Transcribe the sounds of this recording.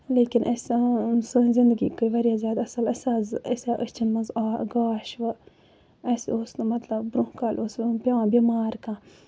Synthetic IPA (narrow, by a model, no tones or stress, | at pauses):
leːkinʔɐsʲasɨzind̪əɡḭkɨʋɐɾjazjaːd̪ɐsɐlɐsaːzɐsʲaʔəst͡ʃinmɐzaːɡaːʃʋɨ | ɐsoːsmɐt̪lɐbbɾukaːlʔoːspʲjɐʋãːbʲimaːɾkã